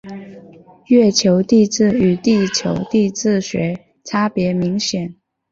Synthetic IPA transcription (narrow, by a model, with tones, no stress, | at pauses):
jɥɛ˥˩t͡ɕʰjo˧˥ʊt̪i˥˧t͡sɹ̩˥˩y˨˩t̪i˥˩t͡ɕʰjo̰˧˥ʊt̪i˥˧t͡sɹ̩˥˩ɕɥɛ̰˧˥ | ʈ͡ʂʰa˥pjɛ˧˥mi˧˥ŋɕjɛ˨˩˦n